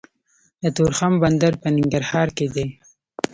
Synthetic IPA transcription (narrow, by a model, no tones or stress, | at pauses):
d̪ət̪oɾxamband̪aɾpənɪŋɡaɾhɑɾked̪e